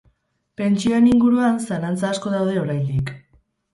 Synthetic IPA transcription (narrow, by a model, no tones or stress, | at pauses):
pe̞nt͡ʃio̞e̞niŋɡuɾuansalant͡saːsko̞ð̞awðe̞o̞ɾajnd̪ik